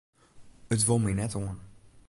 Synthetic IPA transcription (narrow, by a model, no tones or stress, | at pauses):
ətʋolˠminɛtoən